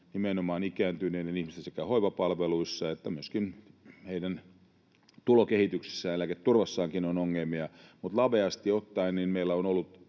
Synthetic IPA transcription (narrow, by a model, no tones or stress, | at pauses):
nimenomɑːnikæːnt̪yneinenihmist̪æsekæhoiʋɑpɑlʋeluisːɑet̪ːæmyøskinheidæn | t̪ulokehit̪yksi̥sːæːnelæket̪turʋɑsːɑːŋkinonoŋːelmiɑmut̪lɑʋeɑst̪iot̪ːɑinninmeilːæonolːut̪